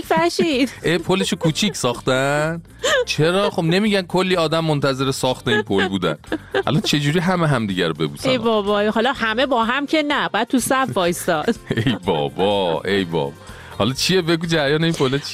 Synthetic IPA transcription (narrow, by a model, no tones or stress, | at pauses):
fæhʃid̪̥ʔepʰole̞ʃokʰuːt͡ʃʰicʰsɒːχt̪æn | t͡ʃʰe̞ɾɒːχo̞bne̞miːɟænkʰo̞lːiːɒːd̪æmːont̪ʰæze̞ɾesɒːχt̪einpʰolbuːd̪æ̰nʔæ̰lɒnt͡ʃʰe̞d͡ʒuːɾiːɦæmeɦæmd̪iːɟæɾobe̞̰buːsæejbɒːbɒjɦɒlɒhæme̞bɒːɦæmcʰʲenæbd̪t̪̚t̪usæfɒːjst̪ɒd̪̥ejbɒ̰ːbɒe̞jbɒ̰ːbɒ | hɒlɒt͡ʃʰijebe̞ɡuːd͡ʒæɾjɒːneinpʰolet͡ʃʰi